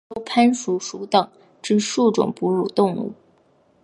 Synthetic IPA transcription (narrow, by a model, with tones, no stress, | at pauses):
o˥ʊpʰa˥nʂu˧˥ʂu˧˥t̪ɑ˨˩˦ŋ | ʈ͡ʂɻ̩˥˧ʂu˥˩ʈ͡ʂʊ̰˨˩ŋpu˧˥ɻu˨˩t̪ʊ˥˧ŋṵ˥˩